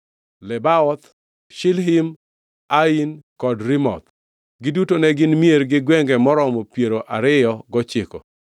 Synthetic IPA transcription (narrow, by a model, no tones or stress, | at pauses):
lɛbaɔt̪ | ʃɪlɦim | ainkɔdɾɪmɔ̰t̪ | ɡɪdutonɛɡɪnmieɾɡɪɡwɛŋɡɛmɔɾɔmɔpjeɾoʔaɾɪjɔɡɔt͡ʃɪkɔ̰